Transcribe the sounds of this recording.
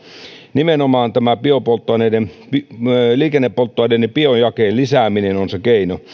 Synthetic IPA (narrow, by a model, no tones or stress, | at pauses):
nimenomɑːnt̪æmæpiopolt̪ːˑoɑˑnenempiliːkenːepːolt̪ːoɑˑinenːipiojjɑkeːlisæːminenonsekeino